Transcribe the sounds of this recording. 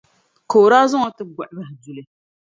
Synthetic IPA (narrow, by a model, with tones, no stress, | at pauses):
ko˨ɾaː˦zʊ˦ŋɔ˦tɨ˦ɡa˨ʔɪ˨˦ba˦hdu˨lɨ˨